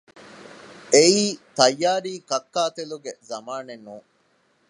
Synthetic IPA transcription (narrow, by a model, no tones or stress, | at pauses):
ʔeiːt̪ɐjːaːɾiːkɐkːaːt̪eluɡezɐmaːnenːuː